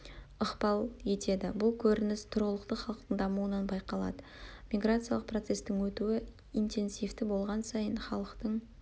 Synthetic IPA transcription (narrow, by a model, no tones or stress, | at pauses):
əqpɑlˠe̞t̪e̞d̪ɪbʊlˠkʲʰɵɾɪnɪst̪ʰʊɾʁəlˠəqt̪əχɑlˠəqt̪əɴd̪ɑmuənɑnbɑjqɑlˠɑ̰d̪ə | mʲijɡɾat̪sɨjɑlˠəqprot̪se̞st̪ɪŋwɵt̪uɪ | int̪e̞nsijft̪ɪbo̞lˠʁɑnsɑjənχɑlˠəqt̪əɴ